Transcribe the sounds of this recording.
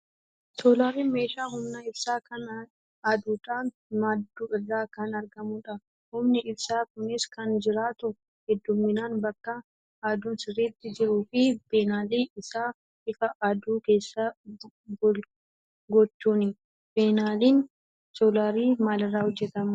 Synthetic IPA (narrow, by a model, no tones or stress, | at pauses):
soːlaːɾiːnme̞ːʃaːɦʊmnɐɪbsaːkɐn | ɐd̪uːᶑaːn | mad̪uːɪrːaːkɐnɐɾɡɐmʊᶑɐ | hʊmnɪʔɪbsaːkʊnɪskɐnd͡ʒɪɾaːt̪ʊ | hɛd̪ːʊmːɪnaːnbɐkːɐ | aːd̪uːnsɪriːt̪ːɪd͡ʒɪɾuːfɪb̥eːnaːliːɪsaː | ɪfɐʔːd̪uːke̞ːsːa | ɡ | ɡɔt͡ʃːuːnɪ | b̥eːnaːliːn | solaːɾiːmaːlɪrːaːhɔd͡ʒːɛt̪ɐm